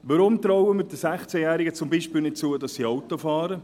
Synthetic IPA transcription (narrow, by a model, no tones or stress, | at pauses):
ʋɑɾʊmt̪ɾɔwəmɪɾdəsæχt͡sɛjæːɾɪɡət͡sʊmbiːʃpɪːlnɪt̚t͡suːədɑsːiɔwt̪ofɑːɾə